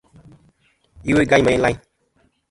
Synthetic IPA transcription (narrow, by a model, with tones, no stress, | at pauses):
i˦we˦˨ɡã˦ɲ˦ma˨i˦la˦